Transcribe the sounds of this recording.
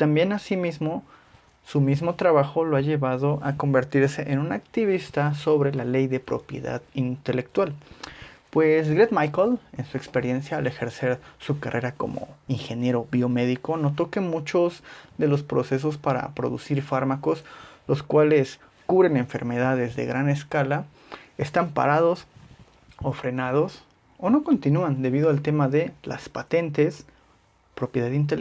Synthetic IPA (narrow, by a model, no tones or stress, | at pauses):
t̪ambje̞nasimizmo̞ | sumizmo̞t̪ɾaβaxo̞loaʝe̞βaðo̞ʔako̞mbe̞ɾt̪iɾse̞ʔenũnakt̪iβ̞ist̪aso̞βɾe̞lale̞jðe̞pɾo̞̰pjḛða̰ðint̪e̞le̞k̚t̪wal | pwes̬ɡɾed̪majkole̞nsue̞kspe̞ɾje̞nsjaːle̞xe̞ɾse̞ɾsukarʔe̞ɾako̞̰mo̞̰iŋxe̞nje̞ɾo̞βio̞me̞ðiko̞no̞t̪o̞ke̞mũt͡ʃo̞zðe̞lo̞spɾo̞se̞s̬o̞s̬paɾa̰pɾo̞̰ðṵsiɾfaɾmako̞slo̞skwale̞s | kuβɾe̞ne̞ɱfe̞ɾme̞ðaðe̞zðe̞̰ɣɾane̞skala | est̪ampa̰ɾað̞o̞s | ofɾe̞nað̞o̞s | o̞no̞ko̞nt̪inuand̪e̞βiðoalt̪e̞maðe̞la̰spat̪e̞nt̪e̞s | pɾo̞pjeðaðint̪el